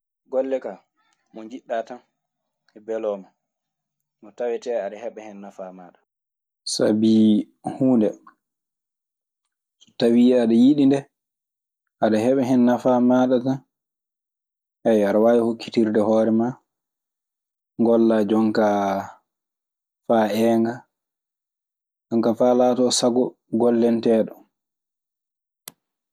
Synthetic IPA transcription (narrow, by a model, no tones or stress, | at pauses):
ɡɔlːɛka | mɔɲd͡ʒiɗːatan | ɛbɛlɔma | mɔtawɛtɛaɗahɛɓɛhɛnːafamaːɗa | sa̰bi | huːndɛ | sɔ̥tawiɛaɗajiɗindɛ | ʔaɗaɦɛɓɛɦɛnːafamaɗata | ʔɛjaɾawajɛhokːi̥tiɾdɛhɔːɾɛma | ŋɡɔlːad͡ʒɔŋka | faɛŋɡa | aŋkafalaːtɔːsaɡɔ | ɡɔlːɛntɛːɗɔ